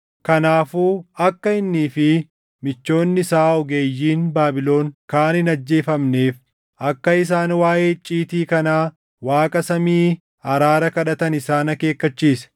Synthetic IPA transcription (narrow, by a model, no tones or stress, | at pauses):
kɐnaːfuːɐkːɐɪnːiːfɪ | mɪt͡ʃːo̞ːnːɪsaːɔɡe̞ːjːiːnbaːbɪlo̞ːŋkaːnɪnɐd͡ʒːe̞ːfɐmne̞ːf | ɐkːɐɪs̬aːnwaːʔeːt͡ʃʼːiːt̪iːkɐnaː | waːkʼɐsɐmiː | ɐɾaːɾɐkɐᶑɐt̪ɐnɪsaːnɐke̞ːkːɐt͡ʃːiːsɛ̥